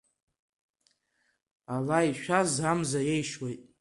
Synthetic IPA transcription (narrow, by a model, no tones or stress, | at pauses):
alaiʃᶣʷazamzajejʃwejtʼ